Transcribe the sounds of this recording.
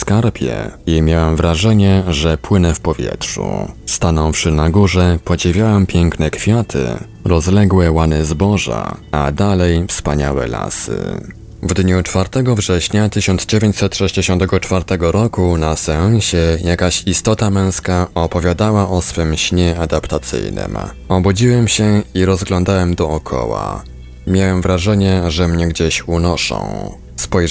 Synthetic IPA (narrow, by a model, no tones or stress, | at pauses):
skaɾpʲʰjɛ̰jejmʲjawamvɾaʐɛɲɛʐɛpwɘnɛfpɔvʲjɛ̰tʂṵst̪anɔwfʂɘnaɡuʐɛpɔd͡ʑivʲjawampʲjɛŋknɛkfʲjat̪ʰɘ̰ | ɾɔzlɛɡwɛwanɘzbɔʐa̰a̰d̪alɛjfspaɲa̰wɛ̰la̰sɘ̰ | vd̪ɲut͡ʂfaɾt̪ɛɡɔvʐɛɕɲat̪ɘɕɔnd̪zd͡ʑevʲjeɲt͡ɕsɛt̪ʂɛʑd͡ʑeɕɔnt̪ɛɡɔt͡ʂfaɾt̪ɛɡɔɾɔkunasɛɔ̃ɕɛjakaɕist̪ɔt̪amɛ̃w̃skaɔpɔvʲjad̪awaʔɔsfɘmɕɲɛad̪apt̪at̪sɘ̰jnɘ̰m | ɔbud͡ʑiwɛmɕɛiɾɔzɡlɔnd̪awɛmd̪ɔːkʰɔ̰wa̰ | mʲjawɛmvɾaʐɛɲɛʐɛmɲɛɡd͡ʑeɕunɔʂɔ̰̃w̃ | spɔj